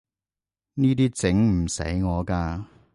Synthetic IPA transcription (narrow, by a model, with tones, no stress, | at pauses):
niː˥t̪iː˥t͡sɪ˨˥ŋm̩˨˩sḛ˨˥jŋɔː˨˧kaː˧